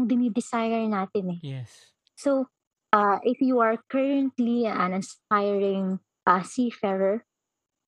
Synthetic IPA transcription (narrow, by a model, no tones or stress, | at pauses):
ŋd̪ɪnid̪ɪsajɛɹnaːt̪ɪnɛɛ | so | ʔaʔɪfjuɐɹkʰɛɹɐ̃nt̪liɐ̃nɪnsp̚ajɹɪ̃ŋ | pasifɛɹɛɹ